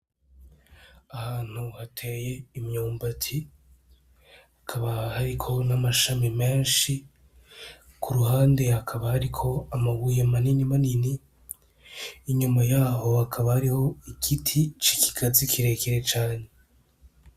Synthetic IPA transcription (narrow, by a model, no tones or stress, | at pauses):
ahaːn̥huhatʰe̞je̞imɲoːmbatʰi | akʰaβahaɾikʰo̞namaʃamime̞ːnʃi | kʰuɾuhaːnde̞hakʰaβahaɾikʰo̞amaɡujemaniɲimanini | ɲumajaːɦo̞hakʰaβahaɾiho̞ikʰitʰit͡ʃiki̥kʰazikʰiɾe̞keɾet͡ʃaːɲe̞